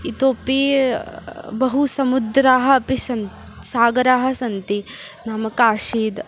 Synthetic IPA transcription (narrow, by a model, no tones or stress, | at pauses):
it̪oːpi | bɐɦusɐmud̪ɾaːɦɐ̆ɐpisɐn | saːɡɐɾaːɦɐ̆sɐnt̪inaːmɐkaːʃiːd̪